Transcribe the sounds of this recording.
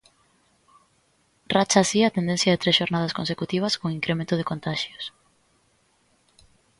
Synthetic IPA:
rat͡ʃasiat̪end̪ẽnθjɐðet̪ɾesʃoɾnaðɐskonsekut̪iβ̞ɐskõŋiŋkɾemẽnt̪ʊð̞ɪkont̪aʃjos

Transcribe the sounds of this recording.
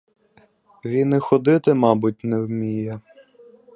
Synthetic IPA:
ʋʲinɪxɔd̪ɪt̪ɪmɑbʊt̚ʲnɛwmʲijɐ

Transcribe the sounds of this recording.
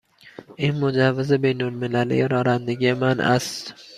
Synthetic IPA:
ɪŋmʊd͡ʒavːɪzɪbejnolmɪlalɪ̰jaɾɒɾand̪ɪɡʲɪmana̰s

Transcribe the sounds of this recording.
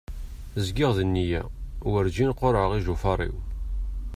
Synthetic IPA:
zɡɪʁðənːijæ̰wəɾd͡ʒinqːoɾəʁiʒufɑrˤḭw

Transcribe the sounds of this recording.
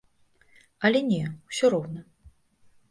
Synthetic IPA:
ɐlʲɛnʲɛwsʲɔɾɔwnɐ

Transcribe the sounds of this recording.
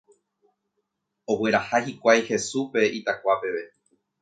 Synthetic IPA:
o̞we̞ɾahahikʷajhe̞supe̞it̪akʷape̞ʋe̞

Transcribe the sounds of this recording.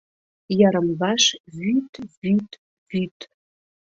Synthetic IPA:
jɑɾəmvɑʃvyt̪vyt̪ | vyt̪

